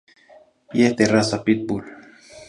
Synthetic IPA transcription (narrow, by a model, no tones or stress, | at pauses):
jeht̪erasapit̪̚bul